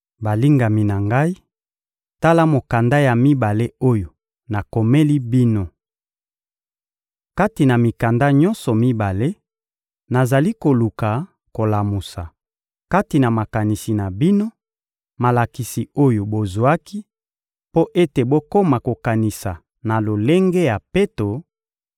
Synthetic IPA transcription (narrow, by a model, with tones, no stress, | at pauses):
ba˨li˦ŋɡa˨mi˨na˨ŋɡa˦i˦ | ta˦la˦mo˨ka˨nda˦ja˨mi˦ba˨le˦o˦jo˨ | na˨ko˨me˦li˦bi˦no˦ | ka˦ti˨na˨mi˨ka˨nda˦ɲɔ̃˦nsɔ˨mi˦ba˨le˦ | na˨za˨li˦ko˨lu˨ka˨ | ko˨la˨mu˨sa̰˨ | ka˦ti˨na˨ma˨ka˨ni˨si˨na˨bi˦no˦ | ma˨la˨ki˨si˨o˦jo˨bo˨zu˨a˦ki˦ | po˦ʔe˦te˨bo˦ko˦ma˨ko˨ka˨ni˨sa˨ | na˨lo˨le˦ŋɡe˦ja˨pe˦to˨